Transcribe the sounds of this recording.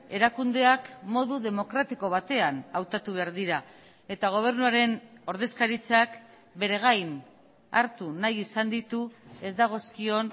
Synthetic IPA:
e̞ɾakund̪e̞akmo̞ðuðe̞mo̞kɾat̪iko̞β̞at̪e̞anawt̪at̪uβ̞e̞aɾðiɾa | e̞t̪aɣ̞o̞β̞e̞ɾnuaɾe̞no̞ɾðe̞skaɾit͡sak | be̞ɾe̞ɣ̞ajn | a̰ɾt̪unajisand̪it̪ue̞zd̪aɣ̞o̞skio̞n

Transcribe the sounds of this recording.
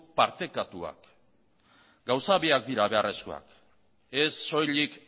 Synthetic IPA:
paɾt̪e̞kat̪ua̰k | ɡawsaβiak̚d̪iɾaβe̞arʔe̞sko̰a̰k | e̞sːo̞jlik

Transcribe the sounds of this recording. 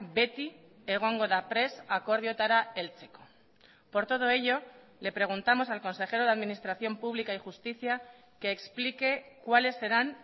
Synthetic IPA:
be̞t̪i | eɣ̞o̞ŋɡo̞ðapɾe̞sako̞ɾðjo̞t̪aɾae̞lt͡ʃe̞ko | po̞ɾt̪o̞ð̞o̞e̞ʎo̞ | le̞pɾe̞ɣ̞unt̪amo̞salko̞nse̞χe̞ɾo̞ðaðminist̪ɾaθjo̞mpuβlikaixust̪iθja | ke̞ːksplike̞kwale̞sːe̞ɾan

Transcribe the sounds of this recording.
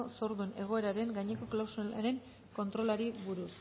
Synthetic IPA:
so̞ɾðune̞ɣ̞o̞e̞ɾaɾe̞ŋɡajɲeko̞klawsaɾe̞ŋ | ko̞nt̪ɾo̞laɾiβuɾus

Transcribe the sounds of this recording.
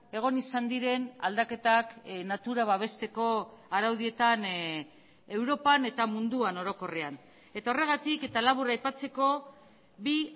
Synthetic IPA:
e̞ɣ̞o̞nisand̪iɾe̞nald̪ake̞t̪aknat̪uɾaβaβ̞e̞st̪e̞ko̞aɾawð̞ie̞t̪an | e̞wɾo̞pane̞t̪amund̪uano̞ɾo̞ko̞rean | e̞t̪ao̞reɣ̞at̪ike̞t̪alaβuɾajpat͡se̞ko̞ | bi

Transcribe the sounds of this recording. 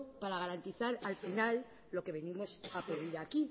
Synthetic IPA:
paɾaɣ̞aɾant̪iθaɾalfinalː | o̞ke̞βe̞nimo̞sapoðiɾaki

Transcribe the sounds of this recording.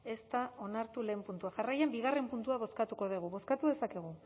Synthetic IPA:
e̞st̪ao̞naɾt̪ule̞ːmpunt̪uaʝarajembiɣare̞mpunt̪uaβ̞o̞skat̪uko̞ð̞iɣ̞uβo̞skat̪uðe̞sake̞ɣ̞u

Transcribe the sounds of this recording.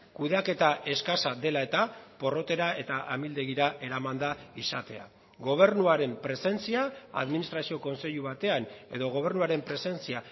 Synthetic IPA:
kuðake̞t̪ae̞skasad̪e̞lae̞t̪apo̞ro̞t̪e̞ɾae̞t̪aʔamild̪e̞ɣiɾaʔe̞ɾamand̪aisat̪e̞a̰ | ɡo̞β̞e̞ɾnuaɾe̞mpɾe̞se̞nt͡siaa̰ðminist̪ɾasio̞ko̞nse̞ʎuβ̞at̪e̞ane̞̰ðo̞ɣ̞o̞β̞e̞rnuaɾe̞mpɾe̞se̞nt͡sia

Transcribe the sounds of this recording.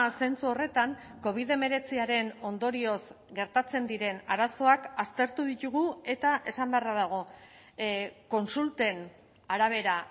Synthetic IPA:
se̞nt͡suo̞re̞t̪aŋko̞β̞iðe̞me̞ɾe̞t͡siaɾe̞no̞nd̪o̞ɾio̞zɡe̞ɾt̪at͡se̞nd̪iɾe̞naɾaso̞akast̪e̞ɾt̪uðit̪uɣue̞t̪aʔe̞sambearaðaɣ̞o̞ | ko̞nsult̪e̞n | aɾaβ̞e̞ɾa

